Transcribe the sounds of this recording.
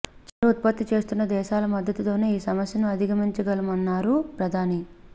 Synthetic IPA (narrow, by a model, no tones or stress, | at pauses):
t͡ʃɐɾɐut̪̚pɐt̪ːit͡ʃe̞ːst̪unːɐd̪ɛːʃaːlɐmɐd̪ːɐt̪ut̪o̞ːneːiːsɐmɐsjɐnuɐd̪ʱiɡɐmiɲt͡ʃɐɡɐlɐmɐnːaːɾupɾɐd̪ʱaːni